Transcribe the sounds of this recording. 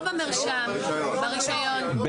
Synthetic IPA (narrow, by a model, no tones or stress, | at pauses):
vameʁʃam | baʁiʃajon | b